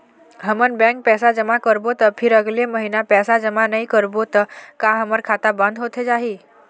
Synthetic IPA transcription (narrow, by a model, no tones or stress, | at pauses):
ɦəmənbɛ̃ŋk̚pɛsad͡ʒəmakəɾbot̪əpʰɪɾəɡleməɦinapɛːsad͡ʒəmanəikəɾbot̪əkaɦəməɾkʰat̪abə̃nd̪ʱɦot̪ʰed͡ʒaɦiː